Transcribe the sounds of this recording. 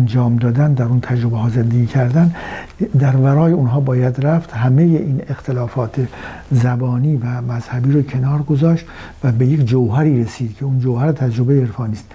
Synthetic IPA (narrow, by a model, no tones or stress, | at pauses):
nd͡ʒɒːmd̪ɒːd̪ænd̪æɾunt̪ʰæd͡ʒɾobeɦɒːze̞nd̪eɡʲiːcʰæɾd̪ænd̪æɾvæɾɒːjeunɦɒːbɒːjæd̪ɾæft̪ɦæme̞jeʔiːnext̪ʰelɒːfɒːt̪ʰe | zæbɒːniːvæmæz̥hæbiːɾocʰe̞nɒːɾɡo̞zɒːʃt̪ | væbe̞jekd͡ʒowɦæɾiːɾesiːd̪cʰe̞und͡ʒowhæɾet̪ʰæd͡ʒɾobe̞jeeɾfɒːniːst̪